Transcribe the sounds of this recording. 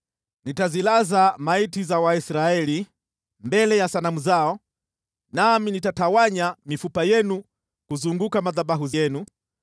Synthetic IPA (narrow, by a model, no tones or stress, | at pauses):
nitazilazamaitizawaisɾaɛli | mbɛlɛjasanamuzaɔ | naminitatawaɲamifupajɛnu | kuzuŋɡukamaðaɓaɦuzjɛnu